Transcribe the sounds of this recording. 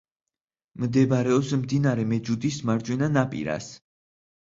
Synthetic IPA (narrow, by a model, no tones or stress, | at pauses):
md̪ɛbaɾɛɔpsmd̪inaɾɛmɛd͡ʒud̪ismaɾd͡ʒwɛnanapʼḭɾa̰s